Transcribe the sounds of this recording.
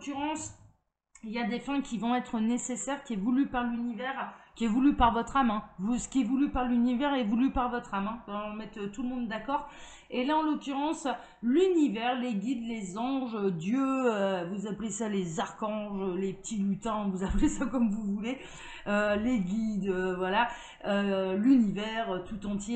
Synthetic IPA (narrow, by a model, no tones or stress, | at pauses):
kyʁɑ̃s | iljad̪efɛ̃kʲʰivɔ̃ɛt̪χənesesɛʁkʲiɛvulypaʁlynivɛːʁkʲiɛvulypaʁvɔt̪χamɛ̃vusə̥kʲiɛvulypaʁlynivɛʁɛvulypaʁvɔt̪χamɛ̃lmɛt̪øt̪uləmɔ̃d̪ːakɔːʁ | elaɑ̃lɔkʲyʁɑ̃s | lynivɛʁleɡʲid̪lezɑ̃ʒød̪jøøvuzaplesalezaʁkɑ̃ʒølepə̥t̪ʰilyt̪ɛ̃vuzaplesakɔmvuvule | øleɡʲid̪øvwala | ølynivɛʁøt̪ʰut̪ɑ̃t̪je